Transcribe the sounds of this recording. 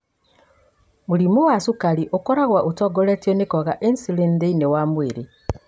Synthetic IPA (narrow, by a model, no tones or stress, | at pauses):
muɾimowasukaɾiʔokoɾaɣwaʔutɔɡoletionekɔɣaʔensilendeinewamweɾe